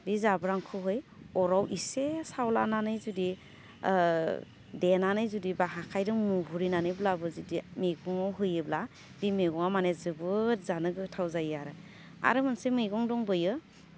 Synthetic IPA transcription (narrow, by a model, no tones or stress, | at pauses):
dizabɯɾaŋkʰɯɦɯjɔɾawʔisesawla̰nanɯjzudi | denanɯjzudibaɦakʰajdɯmuɦuɾinanɯjblabɯzidimeɡɔŋɔɦɯjɯbla | dimeɡɔŋamanezɯbɯzanɯɡɯtʰawzajaɾɯ | a̰ɾɯmɯnsemɯjɡɔŋdɔŋbɯjɯ